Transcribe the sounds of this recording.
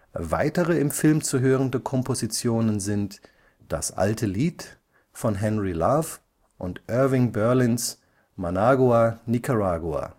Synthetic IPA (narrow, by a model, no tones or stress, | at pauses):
va̰ɪtəʁəɪmfɪlmt͡suɦøːʁəndəkʰɔmpʰozit͡sjoːnənzɪnt | d̥a̰sʔa̰ltʰəliːt | fɔnɦɛnʁilaf | ʔʊntʔœɐvɪŋbœɐlɪns | manaːɡuanikʰaʁaːɡua̰